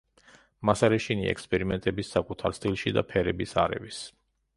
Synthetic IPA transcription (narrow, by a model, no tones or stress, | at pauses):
masaɾɛʃiniɛ̰kspʼɛɾimɛnt̪ʼɛbisːakʼut̪ʰaɾst̪ʼilˠʃid̪a̰pʰɛɾɛbisa̰ɾɛ̰vis